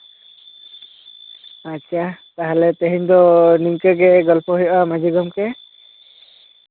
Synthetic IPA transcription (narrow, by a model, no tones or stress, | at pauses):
atːt͡ʃʰat̪aɦalɛt̪ɛɦiɲd̪ɔniŋkəɡɛɡɔlpʰɔɦujɔʔamad͡ʒiɡɔmkɛ